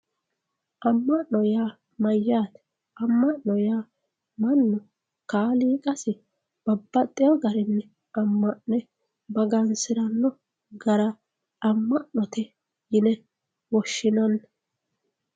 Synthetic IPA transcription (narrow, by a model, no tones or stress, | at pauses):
ʔɐmːɐʔnɔjaː | mɐjːaːt̪ɛ̥ | ɐmːɐʔnɔjaː | mɐnːʊ | kaːliːkʼɐsɪ | b̥ɐbːɐt̪ʼːɪjɔɡɐɾɪnːɛ | ɐmːɐʔnɛ | bɐɡɐnsɪɾɐnːɔ | ɡɐɾɐ | ɐmːɐʔnɔt̪ɛ | jɪnɛ | wɔʃːɪnɐnː